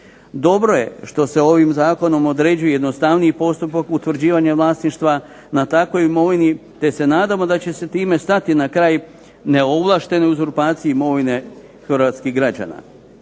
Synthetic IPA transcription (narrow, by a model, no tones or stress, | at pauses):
d̪o̞bɾo̞je̞̰ʃt̪o̞se̞o̞ʋimzaːko̞no̞mo̞d̪ɾe̞ːd͡ʑujejed̪no̞st̪aʋniipo̞st̪upakut̪ʋɾ̩d͡ʑiːʋaɲaʋlˠaːsniʃt̪ʋa | nat̪akʋo̞jimo̞ʋinit̪e̞se̞naːd̪amo̞d̪at͡ɕe̞se̞t̪iːme̞st̪at̪inakɾaːj | ne̞o̞blˠaʃt̪e̞neuzoɾpaːt̪sijimo̞ʋine̞ | xɾʋaːt̪skiɣɡɾad͡ʑa̰ːna̰